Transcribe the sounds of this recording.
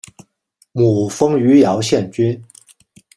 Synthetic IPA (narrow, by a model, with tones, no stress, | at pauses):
mu˨˩fɤ˥ŋy˧˥jɑ˧˥ʊɕjɛ˥˩nt͡ɕy˥n